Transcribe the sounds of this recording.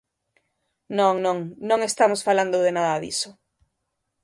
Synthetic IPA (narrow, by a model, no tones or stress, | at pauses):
nõŋnõŋnõŋest̪amosfaland̪ʊðenaðɐðḭso